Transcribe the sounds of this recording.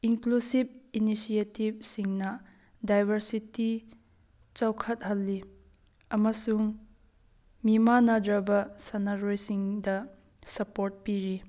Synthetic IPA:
iŋklusib̚inisietib̚siŋnɐ | dajbʱɐɾsiti | t͡ʃɐwkʰɐt̚ɦɐlːi | ɐmɐsuŋ | mimanɐdɾɐbɐsɐnɐɾojsiŋdɐ | sɐpoɾt̚piɾi

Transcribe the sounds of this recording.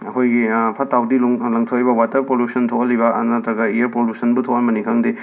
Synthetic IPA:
ɐkʰojɡipʰɐtawdillɐŋtʰoibɐwatɐpoljusɐntʰokɐlibɐ̰nɐtɾɐɡɐijɐɾpoljusɐnbutʰokɐnbɐnikʰaŋdi

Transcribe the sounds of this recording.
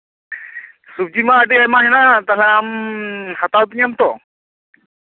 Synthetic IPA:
sub̚d͡ʒimaːdiɛmaɦɛnat̪aɦlɛamhat̪awtiɲamt̪ɔ

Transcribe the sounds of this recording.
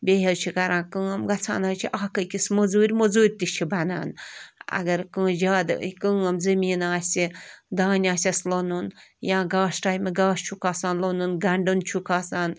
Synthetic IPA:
bʲeɦelt͡ʃʰikɐɾãːkɨɐmɡɐt͡sʰa̰ːnaːt͡ʃʰiʔaːkəkismozuːɾʲmozuːɾʲt̪it͡ʃʰibɐna̰ːnɐ̰ɡɐɾkɨ̃ːd͡ʒaːd̪kɨːɐmzɐmʲiːnaːsʲid̪aːnʲaːsʲɐslonunjãːɡaːʃʈaːjmeɡaːst͡ʃʰukaːsaːnlonunɡɐɳɖɨnt͡ʃʰukʰaːsaːn

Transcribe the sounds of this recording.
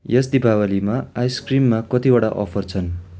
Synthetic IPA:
jʌsd̪ibʱawalimaajskrimːakʌt̪ibaɽa̰ʔʌ̰pʰʌrt͡sʰʌn

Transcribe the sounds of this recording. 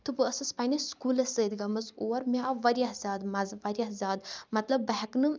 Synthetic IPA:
t̪ɨbɨɐsɐspanʲɐskulɐsəːd̪ɡɐmɐzoːɐɾmiaʋɐɾʲiɐɦzʲaːd̪mɐzʋɐɾʲahzʲaːd̪mɐt̪lɐbːɐɦɛknɨ

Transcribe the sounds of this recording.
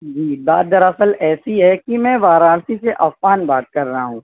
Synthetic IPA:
d͡ʒiːbaːd̪ɐɾɐsəlɛːsiɦɛkimɛ̃ːʋaːɾaːɽsiseʔɐffaːnbaːt̪̚kɐɾːɐɦaɦũː

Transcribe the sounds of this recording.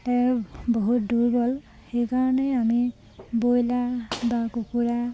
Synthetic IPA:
tɛboɦut̚duɹɡɔl | xejkaɹɔnɛami | bojlabakukuɹa

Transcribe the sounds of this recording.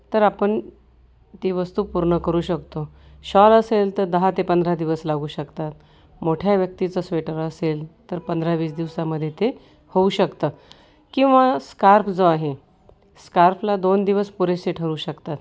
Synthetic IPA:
t̪əɾapəɳ | t̪iʋəst̪uːpuɾɳəkəɾuːɕəkt̪oɕɔɾəselt̪əɾd̪əɦat̪epənd̪ʱɾad̪iʋəslaɡuːɕəkt̪at̪̚ | moʈʰjaʋjək̚t̪it͡səsʋeʈəɾəselt̪əɾpənd̪ɾaʋiːt͡sd̪iʋsaməd̪ʱːjet̪e | houɕəkt̪əː | kĩw̃ʋaskaɾpʰd͡zoaɦe | skaɾpʰlad̪ond̪iʋəspuɾeseʈʰəɾuːɕəkt̪at̪

